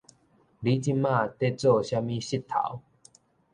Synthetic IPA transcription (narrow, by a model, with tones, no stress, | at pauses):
li˨˦t͡ɕi˦˧mːã˥˧˨t̪e˥˧t͡sɔ˥˧˨ɕja˦mĩ˦ɕi˥˧t̪ʰːa̰˨˦w